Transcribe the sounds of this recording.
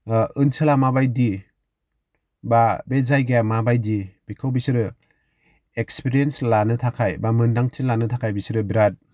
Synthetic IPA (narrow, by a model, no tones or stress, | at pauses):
ɯnsɯlamabajdi | babezajɡamabajdib̥ikʰɯwbisɯɾɯ | ekspiɾienslanɯtʰakʰajbamɯndaŋtʰilanɯtʰakʰajbisiɾɯbiɾat̚